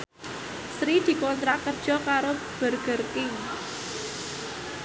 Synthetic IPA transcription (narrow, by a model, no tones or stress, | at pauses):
sɾid̪̥i̤kɔnt̪ɾakərd̥ʒ̥ɔ̤kaɾo | b̥ərɡ̥ə̤rɪŋ